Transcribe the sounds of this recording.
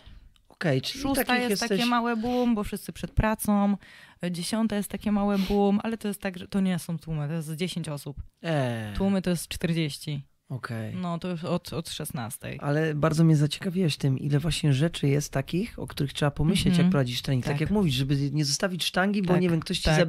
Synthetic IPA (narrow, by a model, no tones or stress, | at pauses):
ɔ̥kɛjt͡ʂʂiusakt̪ijjɛxsjɛst̪at̪ɛɛmawɛbumbɔfʂɨst̪sɘpʂɛt̪̚pɾat̪sɔ̃md͡ʑeɕɔnt̪ajɛst̪ːakʲɛmawɛbumʔalɛt̪ɔjɛst̪ːaɡʐɛt̪ɔɲɛsɔ̃w̃t̪wumɘt̪ɔjɛst̪d͡ʑeɕeɲt͡ɕɔsupɛt̪wumɘt̪ɔjɛst̪t͡ʂt̪ɛɾd͡ʑeɕt͡ɕi | ɔkʰɛjnɔt̪ɔjɔt̪ɔt̪ʂɛsna̰st̪ɛ̰ja̰lɛbaɾd̪zɔmɲɛzat͡ɕɛ̥kavʲiwɛɕt̪ɘmʔḭlɛvwaɕɲɛʐɛt͡ʂɘjɛst̪ːakʲixɔ̰kt̪uɾɘxtʂɛbapɔmɘɕlɛt͡ɕjak̚pɾɔvad͡ʑiʂt̪ɾaɲʲikt̪akjakmuvʲiʐɛbɘɲɛzɔst̪avʲit͡ɕʂt̪aŋɡʲibɔɲɛvʲjɛmkt̪ɔɕt͡ɕiza